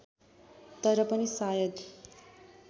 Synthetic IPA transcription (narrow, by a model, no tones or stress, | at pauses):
t̪ʌɾʌpʌnisajʌd̪